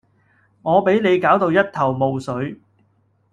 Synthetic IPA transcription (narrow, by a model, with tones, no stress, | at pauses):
ŋɔː˨˧pe˨˥jne˨˧jkaː˨˥wt̪o˧wjɐ˥t̚t̪ʰɐ˨˩wmo˨˧wsɵ˨˥ɥ